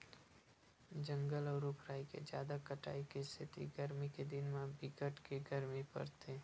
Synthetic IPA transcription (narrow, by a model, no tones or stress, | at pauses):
d͡ʒə̃ŋɡəlɔːɾupʰɾaːikḛd͡ʒjaːd̪akəʈa̰ːikist̪ʰɪt̪ḭɡəɾmiked̪ɪnmãbɪkəʈkeɡəɾmipə̰ɾt̪ʰe